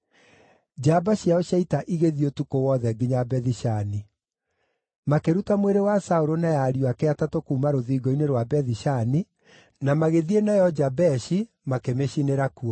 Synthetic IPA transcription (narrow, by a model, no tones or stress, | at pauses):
d͡ʒabaɕiaɔʃaitaʔiɣeðiotukowɔðɛɡiɲabɛðiʃani | makeɾutamweɾewasaoɾonajaɾjoakeatatokuːmaɾoðiːɡɔineɾwabɛðiʃani | namaɣeðienajɔd͡ʒabɛʃi | makemeɕineɾakuɔ